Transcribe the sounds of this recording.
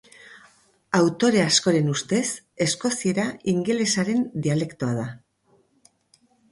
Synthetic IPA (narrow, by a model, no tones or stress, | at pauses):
awt̪o̞ɾe̞asko̞ɾe̞nust̪e̞s | e̞sko̞sie̞ɾaiŋɡe̞le̞saɾe̞nd̪iale̞kt̪o̞aða